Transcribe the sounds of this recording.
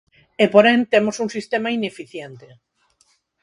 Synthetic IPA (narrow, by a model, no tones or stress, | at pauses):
epoɾẽnt̪emosuŋsist̪emainefiθjent̪e